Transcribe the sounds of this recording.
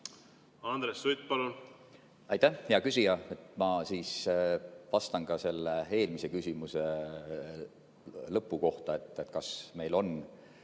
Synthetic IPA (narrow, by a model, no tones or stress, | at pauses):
ɑnd̪ɾesːujt̪̚pɑlun | ɑjt̪ːæjɑkysʲijɑe̞t̪ːˑmɑsiːs | vɑst̪ɑnɡɑse̞lːee̞ːlmise̞kysʲimuse̞ | lɤpːˑuko̞ht̪ɑe̞t̪ːˑet̪ːkɑsme̞jlo̞n